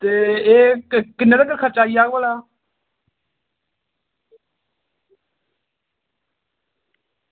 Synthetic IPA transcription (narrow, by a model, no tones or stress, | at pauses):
t̪eːeːkɪnːedəɡəɾkʰəɾt͡ʃaːiːaːɡʋaːlaː